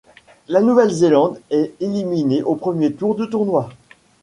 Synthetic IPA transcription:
lanuvɛlzelɑ̃d̪ɛelimineʔopχəmjet̪uʁd̪ət̪uʁnwa

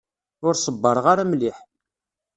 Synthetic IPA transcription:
ʊɾsˤəbːəɾˤʁaɾamliħ

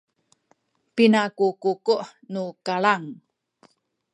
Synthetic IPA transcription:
pinakukukuʔnukaɭaŋ

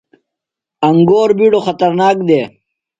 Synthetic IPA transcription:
ɐŋɡoːɾbiɽoxɐt̪ɐɾnaːk̚d̪eː

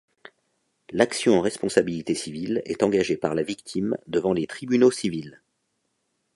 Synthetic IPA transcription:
laksjɔ̃ɑ̃ʁɛspɔ̃sabilit̪esivilɛ̰t̪ɑ̃ɡaʒepaʁlavik̚t̪ʰimd̪əvɑ̃let̪χibynosivil

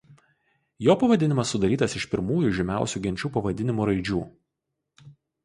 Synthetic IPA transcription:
joːpɐʋɐd̪ʲɪnʲɪmɐsːʊd̪ɐɾʲiːt̪ɐsɪʃpʲɪɾmuːjuʒʲɛmʲæˑʊsʲuːɡʲɛnʲt͡ʃʲuːpɐʋɐd̪ʲɪnʲɪmuːɾɐɪd͡ʒʲuː

